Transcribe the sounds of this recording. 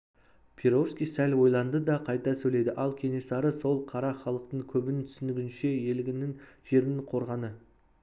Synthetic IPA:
pʲʰeɾo̞fskʲijsælʲwo̞jlˠɑnd̪əd̪ɑqʰɑjt̪ɑsɵle̞jd̪ɪʔɑlˠkʲʰe̞ne̞sɑɾəso̞lˠqʰɑɾɑχɑlˠəq̚t̪əɴkʲʰɵbɪnɪt̪ʰʏ̥sɪnɪɡʲɪnʃe̞je̞lɪɡʲɪnɪŋʒ̥e̞ɾɪnɪɴqʰo̞ɾʁɑnə

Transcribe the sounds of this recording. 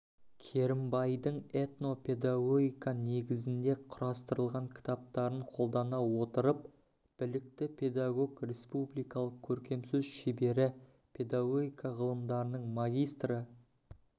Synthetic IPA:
kʲʰe̞ɾɪmbɑjd̪əɴe̞t̪no̞pʰʲe̞d̪aɡo̞ɡʲijkane̞ɡʲɪzɪnd̪e̞qʰʊɾɑst̪əɾəlˠʁɑŋkʲʰɪ̥t̪ʰɑp̚t̪ɑɾəɴqʰo̞lˠd̪ɑnɑwo̞t̪əɾəp̚ | b̥ɪlɪk̚t̪ɪpʲʰe̞d̪aɡo̞ɡrʲe̞spublijkɑlˠəq̚kʲʰɵɾkʲe̞msɪzʃebe̞ɾɪ | pʲʰe̞d̪aɡo̞ɡʲijkɑʁəlˠəmd̪ɑɾənəɴmaɡʲijst̪rə

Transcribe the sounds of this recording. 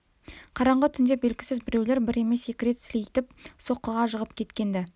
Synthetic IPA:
qʰɑɾɑɴʁət̪ʰʏnd̪ebe̞lɡʲɪ̥sɪzbɪɾe̞wle̞ɾbɪɾe̞me̞se̞kʲɪɾe̞t̪sɪlejit̪ɪp̚so̞qːəʁɑʒəʁəp̚kʲʰe̞t̪kʲe̞nd̪ɪ

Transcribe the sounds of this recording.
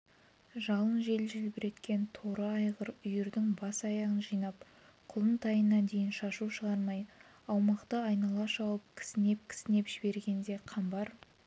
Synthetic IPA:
ʒɑlˠənʒe̞lʒɪlbɪɾe̞t̪kʲe̞nt̪ʰo̞ɾɑːjʁəɾʏjɪɾd̪ɪŋbɑsɑjɑʁənʒijnɑp | qʰʊlˠənt̪ʰɑjənːɑnd̪e̞jɪnʃɑʃuʃəʁɑɾmɑj | ɑwmɑqt̪əɑjnɑlˠɑʃɑwəp̚kʲʰɪ̥sɪne̞p̚kʲʰɪ̥sɪne̞pʒ̥ɪbe̞ɾɡʲe̞nd̪e̞qʰɑmbɑɾ

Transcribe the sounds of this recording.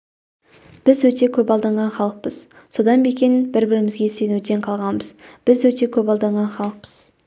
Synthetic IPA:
b̥ɪzwɵt̪e̞kʲʰɵpɑlˠd̪ɑɴʁɑnχɑlˠəq̚pəz̥ | so̞d̪ɑnbekʲenɪbɪɾbɪɾɪmɪzɡʲe̞senwt̪e̞ɴqʰɑlˠʁɑnbəzb̥ɪzwɵt̪e̞kʲʰɵpɑlˠd̪ɑɴʁɑnχɑlˠəq̚pəz̥

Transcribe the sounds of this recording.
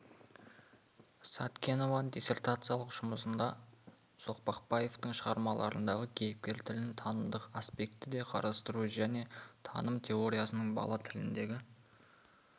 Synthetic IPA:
sɑt̪kʲʰeno̞vɑnd̪ʲise̞rt̪at̪sɨjalˠəqʒ̥ʊməsənd̪ɑ | so̞qpɑqpɑje̞ft̪əŋʃəʁɑɾmɑlˠɑ̰ɾə̰nd̪ɑʁəkʲʰe̞jɪp̚kʲe̞ɾt̪ʰɪlɪnt̪ʰɑnəmd̪əqaspe̞kt̪ɪd̪e̞qʰɑ̰ɾɑst̪əɾuʒæne̞t̪ʰɑ̰nəmt̪ʲʰe̞oɾʲijasənəɴbɑ̰lˠɑt̪ʰɪlɪnd̪e̞ɡʲɪ

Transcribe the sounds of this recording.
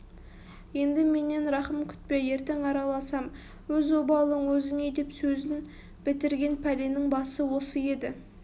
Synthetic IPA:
je̞nd̪ɪme̞ne̞nɾɑχəmkʲʰʏ̥t̪̚pe̞je̞ɾt̪e̞ŋɑɾɑlˠɑsɑm | wɵzobɑlˠəɴwɵzɪne̞d̪e̞psɵzɪn | b̥ɪt̪ɪɾɡʲe̞npʰælenɪŋbɑsəwo̞səje̞d̪ɪ

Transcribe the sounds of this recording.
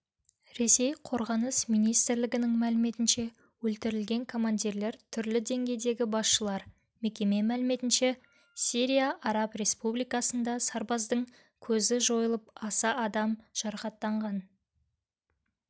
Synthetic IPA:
ɾe̞se̞jqʰo̞ɾʁɑnəsmijnijst̪ɪɾlɪɡʲɪnɪŋmælɪme̞t̪ɪnʃe̞ | wɵlt̪ɪɾɪlɡʲe̞ŋkʰo̞mand̪iɾle̞ɾt̪ʰʏɾlɪd̪e̞ŋɡʲe̞jd̪e̞ɡʲɪbɑsʃəlˠɑɾ | me̞kʲe̞me̞mælɪme̞t̪ɪnʃe̞ | siɾʲijaʔɑɾɑpre̞spublijkɑsənd̪ɑsɑɾbɑzd̪əŋ | kʲʰɵzɪʒo̞jəlˠəpɑsɑʔːd̪ɑmʒ̥ɑɾɑχɑt̪ːɑɴʁɑn

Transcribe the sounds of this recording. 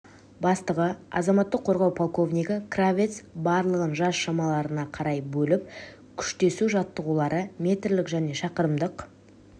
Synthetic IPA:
bɑst̪əʁəɑ̰zɑmɑt̪ːəqʰːo̞ɾʁɑwpʰolˠko̞vnʲijkəkravʲet̪sbɑɾlˠəʁənʒɑsʃɑmɑlˠɑɾənɑqʰɑɾɑjbɵlɪp̚ | kʲʰʏ̥ʃt̪e̞suʒɑt̪ːəʁulˠɑɾʔəmʲe̞t̪rlɪkʒæne̞ʃɑqəɾəmd̪əq

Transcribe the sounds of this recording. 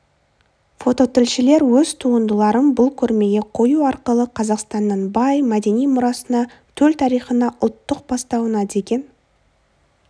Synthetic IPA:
fo̞t̪o̞t̪ʰɪlʃɪle̞ɾwɵz̥t̪ʰuənd̪əlˠɑɾənbʊlˠkʲʰɵɾme̞ɡʲe̞qʰo̞juɑɾqəlˠəqʰɑzɑqst̪ɑnːəɴbɑjmæd̪e̞nijmʊɾɑsənɑ | t̪ʰɵlt̪ʰɑɾijχənɑʔʊlˠt̪ːəq̚bɑst̪ɑwənɑd̪e̞kʲe̞n

